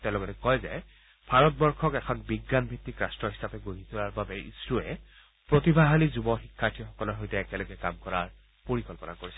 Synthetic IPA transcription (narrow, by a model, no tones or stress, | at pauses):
tɛʊ̃lɔɡɛnɛkɔjzɛ | bʱaɹɔt̚bɔɹkʰɔkɛkʰɔnbiɡːanbʱitːikɹastɹɔɦisapɛɡoɦit̪ʰulaɹbabɛʔḭsɹuɛ | pɹotibʱaɦalizubɔxikʰːaɹtʰixɔkɔlɔɦojtɛːkɛlɔɡɛkamkɔɹaɹ | poɹikɔlpɔna̰koɹisɛ